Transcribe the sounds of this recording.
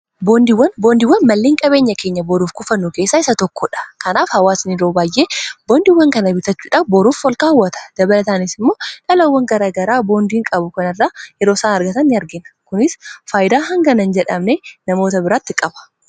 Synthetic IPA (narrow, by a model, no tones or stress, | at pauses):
boːnd̪ɪwːɐnbo̞ːnd̪ɪwːɐnmɐlːeːŋkʼɐbe̞ːɲːɐke̞ːɲːɐbɔɾuːfkʊfɐnːuke̞ːsːaːɪsɐt̪ɔkːɔᶑɐ̥kɐnaːfhɐwaːsnɪɾo̞ːbaːjʔeːboːnd̪ɪwːɐŋkɐnɐbɪt̪ɐt͡ʃːuːᶑɐbɔɾuːfwɔlkaːwːɐt̪ɐ̥d̪̥ɐbɐlɐt̪aːnɪsɪmːo̞ːᶑɐlɐwːɐŋɡɐɾaːɡɐɾaːbo̞ːnd̪iːŋkʼɐbʊkɐnɪrːaːjɛɾo̞ːsaːnɐɾɡɐt̪ɐnːɪɐɾɡɪnɐ̥kʊnɪsfaːjɪd̪aːɦɐŋɡɐnɐnd͡ʒɛᶑɐmnenɐmo̞ːt̪ɐbɪɾaːt̪ːɪkʼɐbɐ̥